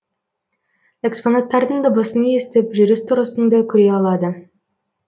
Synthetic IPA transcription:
e̞ksponat̪ːɑɾd̪əɴd̪obəsənjest̪ɪpʒʏɾɪst̪ʰʊɾəsənd̪ɑkʲʰʏɾeɑlˠɑd̪ə

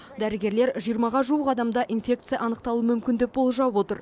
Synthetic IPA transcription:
d̪æɾɪɡʲe̞ɾle̞ɾʒijəɾmɑʁɑʒuwəqɑd̪ɑmd̪ɑʔinfʲe̞k̚t̪sɨjɑʔɑnəqt̪ɑlˠuəmʏmkʲɪnd̪ɪk̚bo̞lˠʒɑwo̞t̪əɾ

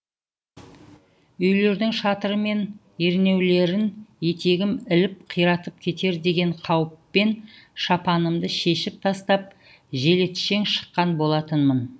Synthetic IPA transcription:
ʏjle̞ɾd̪ɪŋʃɑt̪əɾəme̞n | e̞ɾne̞wle̞ɾɪnje̞t̪e̞ɡʲɪmɪlɪp̚qʰijɾɑt̪əp̚kʲʰe̞t̪e̞ɾd̪e̞ɡʲe̞ɴqʰɑwəpːe̞nʃɑpɑnəmd̪əʃe̞ʃɪp̚t̪ʰɑst̪ɑp̚ | ʒe̞le̞t̪ʃe̞ŋʃə̥qːɑnbo̞lˠɑt̪ənmən

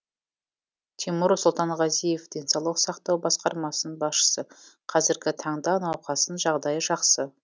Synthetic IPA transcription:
t̪ʰimʊɾsʊlˠt̪ɑɴʁɑzijefd̪̥e̞nsɑwlˠəqsɑqt̪ɑwbɑsqɑɾmɑsənənbɑsʃə̥səqʰɑzɪɾɡʲɪt̪ʰɑɴd̪ɑnɑwqʰɑsənʒɑʁd̪ɑjəʒɑqsə

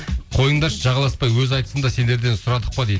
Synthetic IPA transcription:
qʰo̞jəɴd̪ɑʃʒɑʁɑlˠɑspɑjwɵzɑjt̪ə̥sənd̪ɑse̞nd̪e̞ɾd̪e̞nsʊɾɑd̪əq̚pɑd̪ejd̪

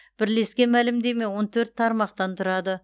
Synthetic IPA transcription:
b̥ɪɾle̞skʲe̞mælɪmd̪e̞me̞wo̞nt̪ʰɵɾt̪ʰːɑɾmɑqt̪ɑnt̪ʰʊɾɑd̪ə

